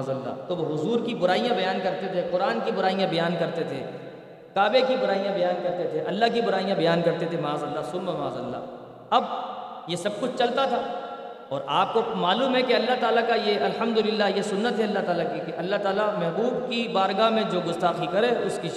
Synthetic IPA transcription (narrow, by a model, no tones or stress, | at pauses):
zɐlːa̰t̪oʋoɦʊzuːɾkibʊɾaːijãbɐjaːnkɐɾt̪et̪ʰeqʊɾaːnkibʊɾaːijãbɐjaːnkɐɾt̪et̪ʰḛ | kaːbekibʊɾaːijãbɐjaːnkɐɾt̪et̪ʰeʔɐlːaɦkibʊɾaːijãbɐjaːnkɐɾt̪et̪ʰemaːzɐlːasʊlmemaːzɐlːa̰ː | ɐbjesɐb̚kʊt͡ʃʰt͡ʃɐlt̪at̪ʰaː | ɔːɾʔaːp̚komaːluːmɦɛkeɐlːaɦt̪aːlakajeʔɐlhɐmd̪ʊlɪlːajesʊnːət̪ɦɛɐlːaɦt̪aːlakikeʔɐlːaɦt̪aːlamɛɦbuːb̚kibaːɾɡaːmẽd͡ʒoːɡʊst̪aːqikɐɾeʊski